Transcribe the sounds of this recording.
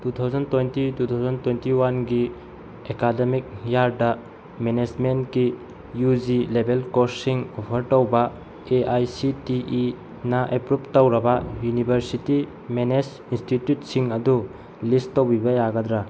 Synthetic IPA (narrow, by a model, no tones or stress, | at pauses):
tutʰawzɐntejntitutʰawzɐntwentiwanɡi | ekademik̚jaɾdɐ | mened͡ʒmentki | jud͡ʒilebelkosːiŋopʰɐɾtowbɐ | eʔajsitiʔi | nɐʔepɾup̚tɐwɾɐbɐjunibʱɐɾsiti | menes | institjut̚siŋɐdu | listːowbibɐjaɡɐdɾa